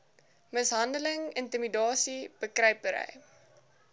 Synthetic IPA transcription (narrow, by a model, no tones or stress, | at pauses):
məsɦɐndələŋəntimidɑːsib̥əkrɛjpəɾə̰j